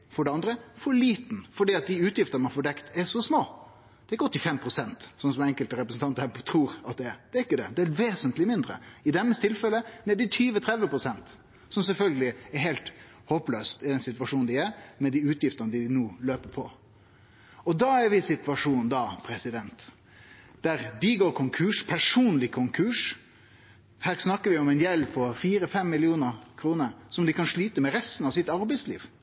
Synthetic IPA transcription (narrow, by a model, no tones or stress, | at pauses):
fɔɖɛɑnd̪ɾəfɔɭiːt̪nfɔɖiːɑt̪̚d̪ɪʉːt̪jɪft̪ənəmɛnfɔːɖɛkt̪ʰɛʂɔsmoː | d̪̥ɛɾɪkːəɔt̪ːɪfɛmpʰɾʊsɛnt̪sɔnsɔmɛɛŋkəlt̪əɾɛpɾəsn̩t̪ɑnt̪hæːt̪ʰɾuːɾɑt̪̚d̪ɛd̪ɛɾɪkːəd̪ɛ̰d̪ɛɛɾʋeːsənt̪lɪmɪnd̪ɾə̰ɪd̪ɛmːəst̪ʰɪlfɛlənɛːd̪ɪt̪ʰyːʋət̪ʰɾɛd̪ʋəpʰɾʊsɛnt̪ | sɔmsɛlfœlɡəlɪɛɾɦeɪlt̪ | hoːpløːst̪ɪd̪ɛnsɪt̪ʋɑʂuːnnd̪ɪæɾmɛd̪iːʉːt̪jɪft̪ənəd̪ɪnuːløːpəpʰɔ̰ | ɔd̪ɑæɾʋɪsɪt̪ʋɑʂuːnd̪ɑpʰɾɛsɪd̪ɛnt̪ | d̪̥æɾd̪ɪɡoːɾkʰʊŋkʰʉːʂpʰæʂuːnlɪkʰʊŋkʰʉːʂ | hæːɾsnɑkːəʋɪɔmɛnjɛlːpʰɔfiːɾəfɛmːɪlɪuːnəɾkʰɾuːnəɾsɔmd̪ɪkɑnʂɭiːt̪əmɛɾɛst̪n̩ɑʋsɪt̪ɑɾbɛɪslḭːʋ